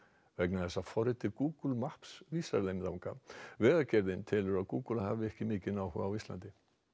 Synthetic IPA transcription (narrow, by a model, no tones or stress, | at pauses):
vɛknaθɛsːafɔɾɪt̪ʰɪɾkuːkulmahpsviːsa̰ɾlejmðawŋkavɛːɣacɛɾðɪnt̪ʰɪːlʏɾaðkuːkulaɦa̰ːvɪɛhcɪmɪːcɪnawhʏɣawist̪lant̪ɪ